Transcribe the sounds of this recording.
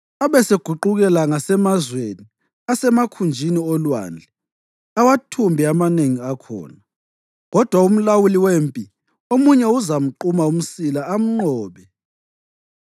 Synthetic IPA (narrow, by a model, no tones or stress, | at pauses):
aβɛseɡ̥ʱuǃuɣɛlaŋasɛmazweni | asɛmakʰund͡ʒʱiniɔlwa̰ːnd͡ɮʱɛ | awatʰumbʱiamaneŋiakʰɔ̰ːna | ɣɔd̥ʱwaum̩lawuliweːmpʼi | omuɲɛuzam̩ǃumaum̩silaam̩ŋ͡ǃɔːβɛ